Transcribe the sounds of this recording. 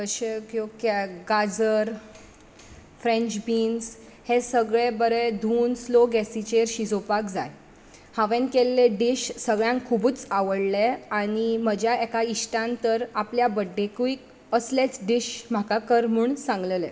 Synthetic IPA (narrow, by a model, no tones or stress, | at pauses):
kəɕekokeɡad͡zəɾ | fɾẽɲt͡ɕbiːns | hesəɡɭebəɾed̪ʱuːnsloɡɛsit͡ɕeɾɕid͡zʱopakd͡zaj | haʋẽnkelːeɖiɕsəɡɭjãŋkkʰːubuːt͡saʋəɽleaɽ̃im̤əd͡ʑʱjaekaiɕʈãnt̪əɾapljabəɖːekʋiːk | əslet͡sɖiɕm̤akakəɾm̤uɳsãŋɡləlḛ